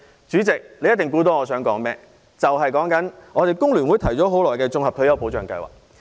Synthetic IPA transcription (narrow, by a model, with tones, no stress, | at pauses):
t͡ʃyː˨˥t͡sɪ˨k̚le˨˧jɐ˥t̪̚ɪ˨ŋkuː˧˥t̪̬ɔː˧˩ŋɔː˨˧s̬œː˨˥ŋkɔː˨˥ŋmɛː˥ | t͡sɐ˨wɦɐ˨jkɔː˨˥ŋkɐ˨˥nŋʔɔː˨˧t̪e˨jkʊ˥ŋlyː˨˩nwu˨˧jt̪ʰɐ˨˩jt͡sɔː˨˥ɦo˨˥wlɔː˨jkɛː˧t͡sʊ˧ŋhɐ˨p̚kʰɵ˧jɐ˨˧wpo˨˥wt͡ʃœː˨ŋkɐ̰˧jwa̰ː˨k̚